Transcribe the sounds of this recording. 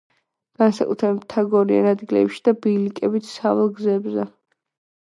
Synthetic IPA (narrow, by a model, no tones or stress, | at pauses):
ɡ̥ansakʼut̪ʰɾɛbit̪ʰːaɡɔɾia̰nad̪ɡilɛ̰pʃi̥d̪̥abilikʼɛbit̪ʰsavɛlˠɡzɛbzɛ